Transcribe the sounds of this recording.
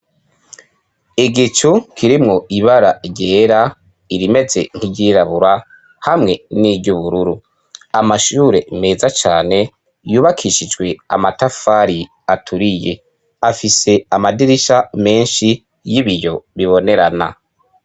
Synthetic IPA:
iɡit͡ʃukʰiɾimŋo̞iβaɾaɟeːɾa | iɾime̞ze̞̰ŋ̥hiɟiɾaβuɾa | hamŋe̞niːbɟuβuɾuɾu | amaʃuːɾe̞me̞ːzat͡ʃaːne̞ | juːβakʰiʃid͡ʒɡwe̞a̰matafaɾi | atʰuɾije̞ | afise̞amadiɾiʃame̞ːnʃi | jiβiɾjo̞βiβo̞ne̞ɾana̰

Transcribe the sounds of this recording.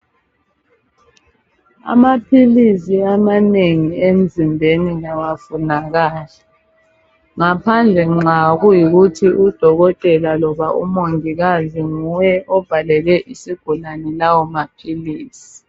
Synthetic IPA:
a̰mapʰilisiamaneŋiem̩zimbʱeniɣawafunaɣaːla | ŋapʰand͡ɮʱɛŋ͡ǁaɣujiɣutʰiʔud̥ʱɔɣɔtʼɛlalɔβaṵmoŋiɣaziŋujɛʔɔb̥ʱalɛlɛʔisiɡ̥ʱulanɛlawɔmapʰiliːsi̥

